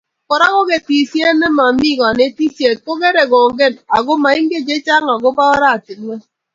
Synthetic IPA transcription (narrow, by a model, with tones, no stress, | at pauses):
kɔ˨ɾa˦ɣo˦ke˦ti˨sje˦ne˦ma˨mi˦˨ŋɔ˨ne˦ti˦se˨t̚ko˦ke˦ɾe˨ɡo˨ŋ̩˦ɡe˦na˨ɡo˦ma˨i˦ŋ̩˦ɡe˦˨d͡ʒe˦t͡ʃa˦ŋa˨ɡo˦ba˦ɔ˦ɾa˦˨ti˨tme˦